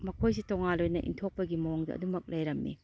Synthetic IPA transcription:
mɐkʰojsitoŋanlojnɐʔḭntʰok̚pɐɡimɐoŋdɐ̰ɐ̰dumɐk̚lɐjɾɐmːḭ

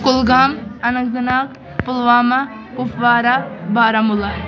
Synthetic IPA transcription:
kʊlɡaːmɐnɐk̚zɐnaːk | pʊlʋaːma | kʊfʋaːɾabaːɾamʊla

